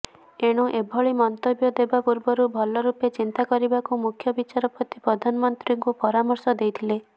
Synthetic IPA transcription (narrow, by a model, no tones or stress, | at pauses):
eɽ̃uʔebʱɔɭimɔnt̪objɔd̪ebapuɾbɔɾubʱɔlɔɾupet͡ʃint̪akɔɾibakumukʰjɔbit͡ʃaɾɔpɔt̪ipɾɔd̪ʱanɔmɔnt̪ɾiŋkupɔɾamɔɾsɔd̪ejt̪ʰile